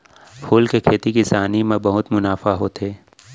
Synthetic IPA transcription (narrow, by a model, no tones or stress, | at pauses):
pʰuːlkekʰeːt̪ikisaːnimẽbɐɦʊt̪mʊnaːfaɦoːt̪eː